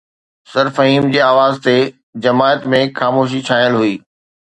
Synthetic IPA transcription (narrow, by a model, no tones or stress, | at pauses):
sɐɾfɐɦiːmd͡ʑeːaːʋaːzt̪e | d͡ʑɐmaːət̪mẽxaːmoːʃ̬it͡ɕʰaːjəlɦuiː